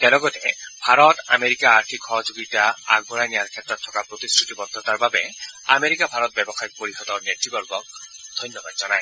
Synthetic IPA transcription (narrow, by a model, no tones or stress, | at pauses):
t̪elɔɡɔt̪ebʱaɾɔt̪a̰meɾikaːɾt̪ʰikʰːɔɦɔd͡ʒoɡit̪aa̰ɡʱɔɾajniaɾkʰet̪ːɾɔt̪ʰːɔkapɾot̪iskɾut̪ibɔt̪ːɔt̪aɾbabeameɾikabʱaɾɔt̪̚bebɔxʰajk̚poɾiɦɔt̪ɔɾnet̪ɾibɔɾɡɔk̚d̪ʱɔjnjɔba̰d̪d͡ʒɔnae